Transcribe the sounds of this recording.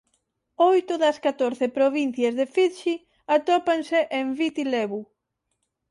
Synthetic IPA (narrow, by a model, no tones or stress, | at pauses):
ojt̪ʊðɐskat̪oɾθepɾoβin̟θjɐzðefit̪ʃi | at̪opanseʔembit̪ileβu